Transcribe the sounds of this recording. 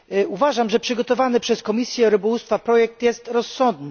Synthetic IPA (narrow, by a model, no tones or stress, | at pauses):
uvaʐamʐɛpʂɘɡɔt̪ɔvanɘpʂɛskɔmʲisʲjɛɾɘbɔwust̪fapɾɔjɛk̚t̪jɛst̪ɾɔsːɔnd̪nɘ